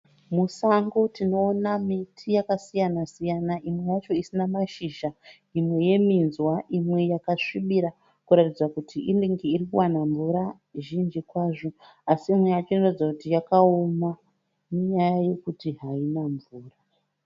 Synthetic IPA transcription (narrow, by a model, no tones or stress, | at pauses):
musaŋɡotino̞ːnamitʰijakasijanasijanaimwe̞jat͡ʃo̞isinamaʃiʒa | imwe̞je̞minzwaʔimwe̞jakaʂiɓiɾa | kuɾatid͡zwakutʰiʔiniŋɡiiɾikuwanaɱvuɾa | ʒind͡ʒikwaʐo̞ | asiːmwe̞jat͡ʃonorid͡zakutijakaoma | neɲajaje̞kutiɦainaɱvuːra